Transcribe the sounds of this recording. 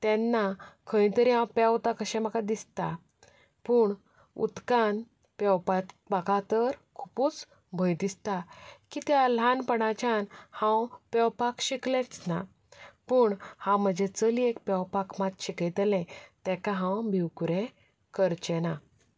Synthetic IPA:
t̪ɛnːakʰə̃ĩt̪əɾiɦãpɛwt̪akəɕɛ̃məkad̪ist̪a | pəːɳ | ṵt̪kan | pɛwpat̪ | bakat̪əɾkʰupuːt͡s | bʱəjd̪ist̪akit̪jalanpəɽat͡ɕanhãwpɛwpakɕiklɛt͡sna | pəːɳhãwm̤əd͡ʑet͡səliekpɛwpakmat̪ɕikəjt̪lɛ̃t̪ɛkaɦãwbʱiwkuɾẽ | kəɾt͡ɕɛna

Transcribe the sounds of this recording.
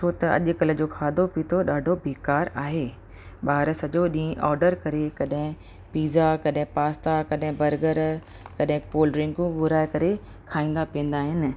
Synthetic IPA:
t͡ʃʰoːt̪ɐɐ̰ʄʊkɐlə̆d͡ʑoːkʰaːd̪ʱopit̪ʰoɗaːɖʱobʱeːkaːɾaːɦeː | ɓaːɾsɐʄoɗĩːʔɔːɾɖəɾkɐɾekɐɗɦɪ̃ | piːzakɐɗɦɪ̃paːst̪akɐɗɦɪ̃bɐɾɡəɾ | kɐɗɦɪ̃koːlɾɪ̃ŋɡũɡʊɾaːɪkɐɾe | kʰaːĩːnd̪apiə̃nd̪aːɦɪnɪ̆

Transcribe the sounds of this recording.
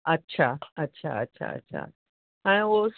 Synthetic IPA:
ɐtːɕʰaɐtːɕʰa̰ɐ̰tːɕʰa̰ə̰tːɕʰa̰ | ɦãios

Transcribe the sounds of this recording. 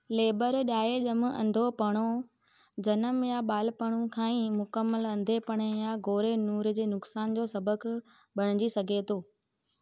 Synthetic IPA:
leːbəɾɗaːeʄɐmɐ̰̃nd̪ʱopɐɽ̃o | d͡ʑɐnəmjaɓaːlpɐɽ̃ũkʰãːĩmʊkəmːəlɐ̃nd̪ʱepɐɽ̃ejaɡoːɾenuːɾd͡ʑeːnʊksaːnd͡ʑoːsɐbək | ɓɐɽ̃ɪd͡ʑisɐɡʱet̪ʰoː

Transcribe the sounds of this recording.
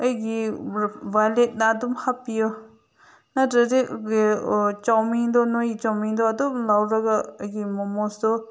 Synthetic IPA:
ɐjɡi | bajlet̚naːdumhapijɔ | natɾɐzeɡet͡ʃawmidɔnojit͡ʃawmidɔɐdumlawɾɐɡaɐjɡimɔmɔsdɔ

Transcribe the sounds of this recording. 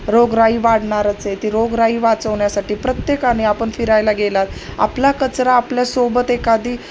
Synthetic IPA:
ɾoɡɾaiːʋaɽ̤ɳaɾat͡set̪iːɾoɡɾaiːʋat͡səʋɳjasaʈiːpɾət̪jekaniapəɳfiɾajlaɡelat̪a̰plakət͡sɾaːpljasobət̪ekad̪iː

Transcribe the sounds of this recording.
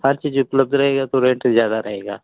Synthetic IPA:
haɾt͡ʃiːd͡ʒʊpləb̚d̪ɾɐɦeːɡat̪oɾẽɳʈzjaːd̪aɾɐɦeːɡa̰ː

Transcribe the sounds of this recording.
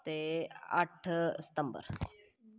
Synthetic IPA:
t̪eɐ̰ʈʰsə̥t̪ɐmbə̰ɾ

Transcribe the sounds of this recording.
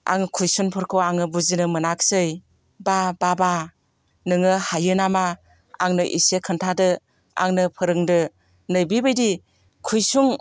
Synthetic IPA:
a̰ŋkʰujsunpʰɯɾkʰoaŋɯbuzinɯmɯnak̚sɯj | bababa | nɯŋɯhajɯnama | a̰ŋnɯʔḭsekʰɯntʰadɯ | a̰ŋnɯpʰɯɾɯŋdɯ | nɯjbibɯjdi | kʰujsuŋ

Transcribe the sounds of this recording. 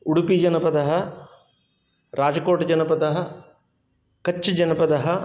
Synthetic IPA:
uɽupid͡ʒɐnɐpɐd̪ɐɦɐ | ɾaːd͡ʒɐkoːʈɐd͡ʒɐnɐpɐd̪ɐɦɐ̆ | kɐt͡ʃːɐd͡ʒɐnɐpɐd̪ɐɦɐ

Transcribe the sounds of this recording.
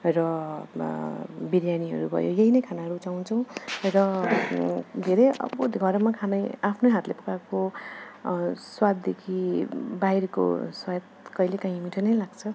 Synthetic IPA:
rʌ | biɾjaniɦʌ̰ɾubʱʌ̰jo̰jʌɦinʌjkʰanaɦʌɾut͡saw̃t͡sʰʌw̃rʌ | d̪ʱeɾʌjʌ̰bʌɡʱʌɾmakʰanʌjapʰnoɦat̪lepukako | swad̪̚ːekʰibaiɾko̰swajt̪̚kʌilekãɦĩmiʈʰʌnʌjlaɡt͡sʰʌ

